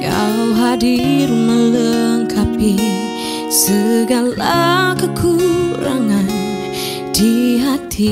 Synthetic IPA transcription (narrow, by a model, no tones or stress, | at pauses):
ja̰ɦadirmələŋkʰapi | səɡalakəkʰuɾaŋan | d̥iɦat̪ʰi